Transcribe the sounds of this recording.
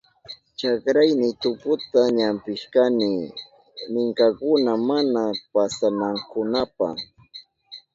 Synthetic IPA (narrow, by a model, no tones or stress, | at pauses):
t͡ʃakɾajnɪt̪ʊkʊt̪aɲampɪʃkanɪ | mɪŋkakʊnamanapasamaŋkʊnapa̰